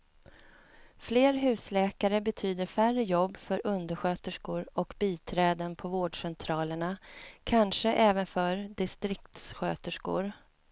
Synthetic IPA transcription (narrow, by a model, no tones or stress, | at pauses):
fleːɾɦʉ̟ːslɛːkaɾəbɛt̪ʰyːd̪əɾfærəjɔbːfœɾʔɵnd̪əɧøːt̪əʂkʊɾɔkbiːt̪ʰɾɛːd̪ənpʰɔvoːɖʂɛnt̪ʰɾɑːləɳakʰanʂəʔɛːvənfœɾd̪ɪst̪ɾɪkt̪sɧøːt̪əʂkʊ̰ɾ